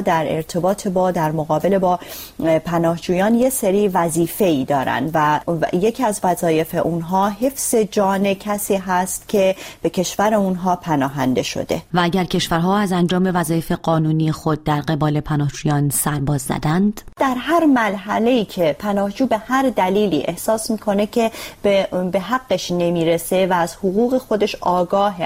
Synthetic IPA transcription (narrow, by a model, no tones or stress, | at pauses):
d̪æɾe̞̰ɾt̪ʰe̞bɒːt̪ʰebɒːd̪æɾmoɣɒːbe̞le̞bɒː | pʰænɒːhd͡ʒuːjɒːnje̞seɾiːvæziːfe̞iːd̪ɒːɾæ̰nd̪væje̞cʰiæzvæzɒːje̞fe̞̰ʔunɦɒːɦe̞fz̥e̞d͡ʒɒːne̞cʰæsiːɦæst̪cʰe̞b̥e̞cʰe̞ʃvæɾeunɦɒːpʰænɒːɦænd̪e̞ʃo̰d̪e̞̰vææɟæɾcʰe̞ʃvæɾɦɒːæzænd͡ʒɒːmevæzɒːjefeɢɒːnuːnijexo̞d̪̚ːæɾɢe̞bɒːle̞pʰænɒːhd͡ʒuːjɒːnsæɾbɒːzːæ̰d̪ænd̪̥d̪̥æɾɦæɾmælɦæle̞iːcʰe̞pʰænɒːhd͡ʒuːbe̞hæɾd̪æliːlḭːʔe̞hsɒːsmiːkʰo̞ne̞cʰe̞bebe̞ɦæɡːeʃne̞miːɾese̞væːz̥hoɣuːɣe̞xo̞d̪e̞ʃɒːɡɒːɦe